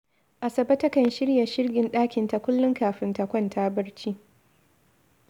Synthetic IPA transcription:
ʔa˨sɐ˨bɐ˦tɐ˦kɐ˨nʃɪ˦ɽja˨ʃɪ˦rɡʲɪ˨nɗaː˦kʲɪ˨nta˨kʷʊ˦lːʊ˦ŋkaː˨ɸɪ˦nta˨kʷɐ˦ntʰaː˦bɐ˦ɽt͡ʃiː˦

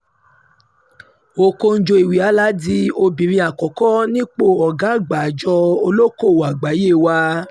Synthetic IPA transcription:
o˧ko˧n̩˦d͡ʒo˧i˨wi˨a˨˦la˨˦di˦o˧bi˨ɾĩ˧˦a˨kɔ˨kɔ˦nĩ˦k͡po˦˨ɔ˨ɡa˨˦˨ɡ͡ba˨d͡ʒɔ˧o˧lo˦ko˦˨wa˨ɡ͡ba˨˦je˦˨wa˧

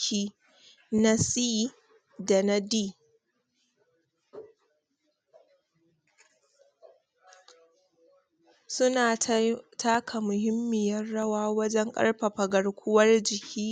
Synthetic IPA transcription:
iː˦ | na˦siː˦ | da˨na˦diː˦˨ | sʊ˦naː˨tʰaː˦kʰa˨mʊ˨ɦɪ˦mːɪ˨jɐ˦rɽɐ˦waː˦wɐ˦d͡ʒɛ˦ŋkʼɐ̰˦ɽɸa˨ɸɐ˨ɡɐ˨ɽkʷʊ˦wɐ˦rd͡ʒɪ˨kʲʰiː˦

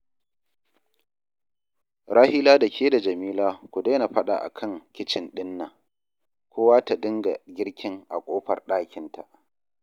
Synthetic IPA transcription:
ɾaː˦hɪː˦laː˦da˨kʲʰeː˦da˨d͡ʒɐ˨miː˦laː˦kʷu˨deː˦na˨ɸɐ˦ɗa̰˨ʔa̰˨kʰɐ˦˨ŋkʲɪ˦t͡ʃɪ˨nɗɪ˦nːa˨ | kʷʰoː˦waː˦ta˨dɪ˦ŋɡa̰˨ɡʲɪ˦ɽkʲʰɪ˦ŋʔa̰˨kʷʼoː˦ɸɐ̰˨rɗaː˦kʲɪ˨ntʰa̰˨ʔ

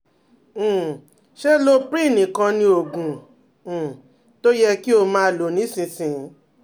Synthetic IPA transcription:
ʃe˦lo˦pɾi˦˨nĩ˨˦kã˧nĩ˧o˨ɡũ˨ | to˦jɛ˦ki˦o˧mãː˦˨lo˨˦˨nĩ˨˦sĩ˧sĩ˧˦

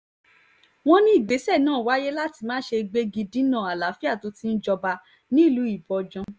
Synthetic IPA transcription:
w̃ɔ̃˦nĩ˦i˨ɡ͡be˨˦sɛ˦˨nãː˦˨wa˨˦je˦la˦ti˧mãː˦ʃe˧ɡ͡be˧ɡi˧dĩ˦nã˦˨a˨la˨˦fi˦a˦˨to˧ti˦n̩˦d͡ʒɔ˧ba˧ | nĩ˦˨lu˨˦i˦˨bɔ˧d͡ʒɔ̃˧

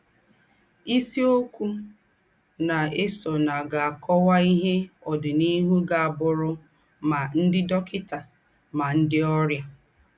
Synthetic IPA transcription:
i˦si˦o˦kʷu˦ | na˨e˦sɔ˨na˨ɡa˨a˨kʰɔ˦wa˦i˦ɦe˦ɔ˨dʊ˨ni˦ɦu˦ɡa˨a˨bʊ˨ɾʊ˦ | ma˨n̩˦dɪ˦dɔ˦kɪ˦ta˨ | ma˨n̩˦dɪ˦ɔ˦ɾja˦

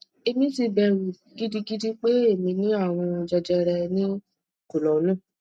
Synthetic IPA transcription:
e˧mĩ˧˦ti˧bɛ˧ɾu˨ | ɡi˦di˦ɡi˦di˦k͡pe˦e˦˨mĩ˧nĩ˦a˦˨w̃ɔ̃˧d͡ʒɛ˧d͡ʒɛ˧ɾɛ˧nĩ˦˨ | ku˨lɔ˨˦lũ˦˨

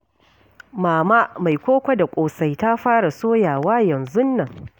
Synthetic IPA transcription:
maː˨maː˦ʔma˨jkʷoː˦kʷa˦da˨kʷʼoː˨sa˨jta˦ɸaː˦ɽa˨soː˦jaː˨waː˦jɐ˨nzʊ˦nːɐ˨ŋ

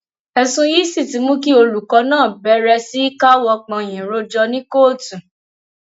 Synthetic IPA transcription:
ɛ˨sũ˧ji˦si˦˨ti˨˦mũ˦ki˦o˧lu˨kɔ˨˦nãː˦˨bɛ˨˦ɾɛ˧si˦i˦ka˦wɔ˧k͡pã˧˨j̃ɛ̃˨ɾo˧˦d͡ʒɔ˧nĩ˦koː˦˨tũ˨

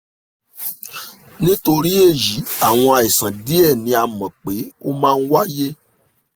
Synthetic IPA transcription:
nĩ˦to˧ɾi˦e˦˨ji˨˦a˦˨w̃ɔ̃˧a˨i˨sã˨di˦ɛ˦˨nĩ˧a˨mã˨k͡pe˨˦o˦mãː˦˧n̩˦wa˦je˦

